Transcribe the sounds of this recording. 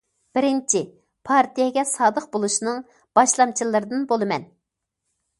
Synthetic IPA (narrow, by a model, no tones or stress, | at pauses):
b̥ɪɾɪnt͡ʃʰi | pʰɑɾt̪ʰijɛɡʲɛsɑːd̪əq̚bolˠuʃinɨŋ | b̥ɑʃlˠɑmt͡ʃʰilˠɨɾɨd̪ɨnbolˠɨmɛ̰n